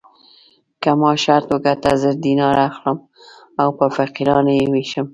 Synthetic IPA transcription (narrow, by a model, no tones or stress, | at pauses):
kamɑʃaɾt̪oɡat̪azəɾd̪inɑɾaxləm | awpəfaqiɾɑnjewiʃəm